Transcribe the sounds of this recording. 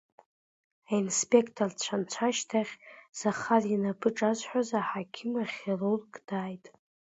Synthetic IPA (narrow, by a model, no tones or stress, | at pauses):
ainspʼe̞kʰtʰort͡ɕʷʰant͡ʃʷʰaʃtʰaχʲz̥aχarinapʰɨʈ͡ʂʼazħʷᶣazaħakʲʰɪmaχʲerorkʼd̥aːjtʼ